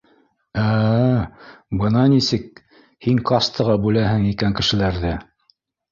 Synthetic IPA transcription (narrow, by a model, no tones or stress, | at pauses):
æ | bɤnɑnisɘk̚ | hiŋqɑst̪ɤ̆ʁɑbʉlæɦɘŋikæŋkɘ̆ʃɘ̆læɾðɘ